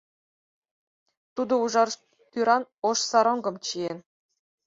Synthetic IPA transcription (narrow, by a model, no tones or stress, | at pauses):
t̪ud̪ɤ̆uʐɑr | pʲyɾɑnŏʂsɑɾŏŋɡɤ̆mt͡ɕien